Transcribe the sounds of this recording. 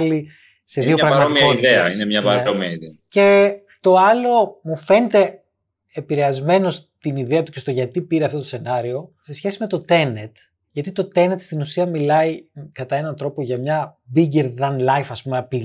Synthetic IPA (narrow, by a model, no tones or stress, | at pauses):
li | se̞ððio̞pɾɐɣɣmɐt̪iɐot̪ieɐinemɲɐɐɾomiɐiðece̞ | t̪o̞ɐlo̞mufe̞net̪e̞ | epiɾe̞ɐzme̞no̞st̪iniðeɐt̪uce̞st̪oʝɐt̪ipiɾeɐft̪ot̪osenɐɾio̞se̞sçe̞sime̞t̪o̞t̪e̞net̪ | ʝɐt̪it̪o̞t̪e̞net̪st̪inusiɐmilɐikɐt̪ɐe̞nɐnt̪ɾo̞po̞ʝɐmɲɐbiɟeɾðɐnlɐjfɐspumepi